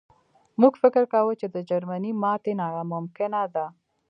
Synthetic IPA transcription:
muɡfɪkəɾkawət͡ʃed̪əd͡ʒaɾmanimɑt̪enajamʊmkɪnad̪a

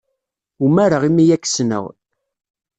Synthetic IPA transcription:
umæɾəʁimijækːsnə̰ʁ

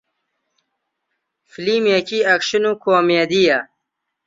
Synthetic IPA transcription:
filimjekiɐkɕinukoːmed̪ija

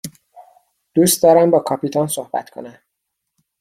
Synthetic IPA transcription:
d̪̥uːst̪d̪ɒːɾæmbɒːkʰɒːpʰit̪ʰɒnsohbæ̰t̪kʰo̞̰næm

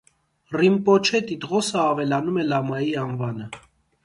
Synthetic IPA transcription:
rimpɔt͡ʃʰɛt̪it̪ʁɔsəɑvɛlɑnumɛlɑmɑjiɑnvɑnə

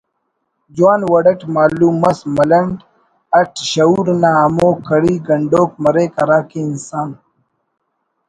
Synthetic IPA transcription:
d͡ʑwaːnwɐɽɐʈmaːluːmɐsmɐlɐɳɖ | ɐʈɕɐuːɾnaːɐmoːkːɐɽiːɡɐɳɖoːk̚mɐɾeːkɐɾaːkiːnsaːn

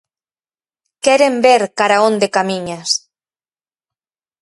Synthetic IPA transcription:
kɛɾembeɾkaɾaõnd̪ekamiɲas

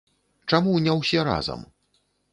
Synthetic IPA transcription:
t͡ʂamunʲɛwsʲɛɾa̰zɐ̰m

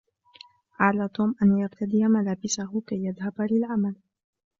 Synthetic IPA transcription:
ʕaʕlaːt̪ˤuːmʔanjaqt̪ad̪ɪjamalaːbɪsahʊkajːaðhabalɪlʕamal

